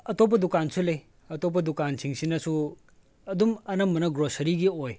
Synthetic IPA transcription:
ɐtop̬ːɐdukansʰulej | ɐtop̬ːɐdukansʰiŋsinɐsu | ɐdumɐnɐmːɐnɐɡɾosɐɾiɡioj

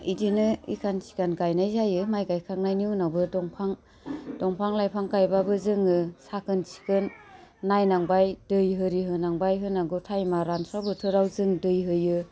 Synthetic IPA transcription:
idinɯḭkʰansi̥kanɡajnajzajɯmajɡajkʰaŋnajniɯnabɯdɔŋpʰaŋ | dɔŋpʰaŋlajpʰaŋkajbabɯzɯŋɯsakʰɯnsi̥kɯnːajnaŋbajdɯjɦɯɾiɦɯnaŋbajɦɯnaɡɯtʰajmaɾansabɯtʰɯɾawzɯŋdɯjɦɯjɯ

